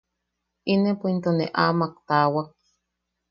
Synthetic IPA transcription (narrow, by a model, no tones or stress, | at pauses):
inepoint̪oneʔaːmak̚t̪aːwak̚